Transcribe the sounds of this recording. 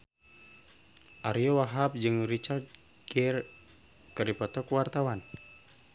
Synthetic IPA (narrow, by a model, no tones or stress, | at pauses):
ʔaɾiowaɦap̚d͡ʒɨŋrit͡ʃart̪̚ | kir | kəripɔt̪ɔkuwart̪awan